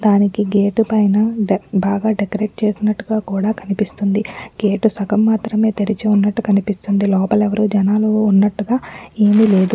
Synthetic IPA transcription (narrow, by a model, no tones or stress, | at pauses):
d̪aːnikiɡeːʈupɐjnɐbaːɡaːɖekɐɾe̞ːʈ̚t͡ʃe̞ːsinɐʈːuɡaːkuːɽaːkɐnipist̪und̪iɡ̥e̞ːʈusɐkɐmːaːt̪ɾɐme̞ːt̪eɾit͡ʃeunːɐʈːukɐnipist̪und̪ilɔːpɐlɛʋɐɾud͡ʒɐnaːluːnːɐʈːuɡaːeːmile̞ːd̪u